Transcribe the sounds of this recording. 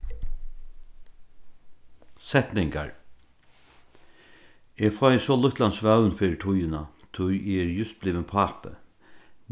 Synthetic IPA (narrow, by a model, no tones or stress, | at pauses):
sɛt̪nɪŋka̰ɹ | eːɡfɔjsɔlʊht̪lansʋaʉnfiːʈʰʊjəna | t̪ʰʊjeːɛɾjʏst̪̚bliːvənpʰaːpə̰